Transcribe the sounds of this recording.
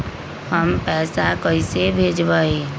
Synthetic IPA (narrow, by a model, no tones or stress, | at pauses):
həmpɛːsakəɪsebʱeːd͡ʒbaːe